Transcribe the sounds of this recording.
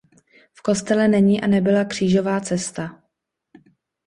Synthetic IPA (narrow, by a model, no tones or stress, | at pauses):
fko̞st̪ɛlɛnɛɲiʔanɛbɪlakr̥iːʒo̞vaːt͡sɛst̪a